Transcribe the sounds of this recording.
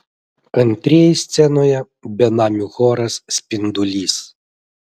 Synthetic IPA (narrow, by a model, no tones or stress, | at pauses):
ɐnʲt̪ʲɾʲijɛjsʲt̪sʲɛnojɛ | bʲɛnamʲuxɔɾɐsːʲpʲind̪ʊlʲiːs